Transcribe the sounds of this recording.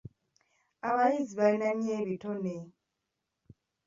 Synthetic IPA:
aβaɾiziβalinaɲieːβitone

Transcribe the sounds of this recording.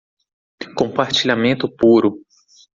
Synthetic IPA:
kõmpaɾt͡ʃiʎamẽnt̪ʊpuɾʊ

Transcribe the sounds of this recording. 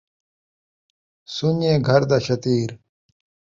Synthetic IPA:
suneːɡʱɐɾd̪aɕɐt̪iːɾ

